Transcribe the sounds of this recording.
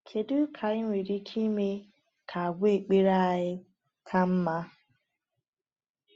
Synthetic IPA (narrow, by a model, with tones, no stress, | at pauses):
kʰe˨du˦kʰa˨ɪ˦ŋʷe˨ɾi˦kʰi˦me˦ | kʰa˨a˨ɡʷe˦˨k͡pe˦ɾa˦˨ɦɪ˦ | kʰa˦m̩˦ma˦